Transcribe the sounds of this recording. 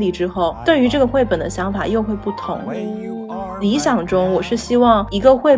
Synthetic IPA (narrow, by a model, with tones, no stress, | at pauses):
li˧˩ʈ͡ʂɻ̩˥xo˥˩ʊt̪we˥˩ɪy˧˥ʈ͡ʂɤ˥˩ɡə˩xwe˥˩ɪpə˨˩nd̪ə̰˦ɕjɑ˧˥ŋfa˨˩jo˥˧ʊxwe˥˧ɪpu˥˩t̪ʰʊ̰˧˥ŋ | li˧˥ɕjɑ˨˩ŋʈ͡ʂʊ˥ŋwɔ˨˩ʂɻ̩˥˩ɕi˥wɑ˥˩ŋi˧˥ɡə˧xwe˥˩ɪ